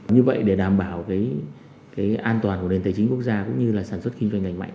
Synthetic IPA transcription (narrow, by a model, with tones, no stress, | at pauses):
ɲɨ˧və̰˧˨jɗe˧˩ɗaː˨˩mɓaː˧˩wkaː˨˦j | kaː˨˦jʔaː˧nt̪waː˨˩nku˧˩ə˨ne˨˩nt̪əː˨˦jt͡ɕi˨˦ŋkək̚zaː˧kʊ̰˧˥ŋ͡mɲɨ˧laː˨˩saː˧˩nswt̚ki˧ŋzwa˧ŋŋa˨˧˩ŋ̟ma̰˧˨ŋ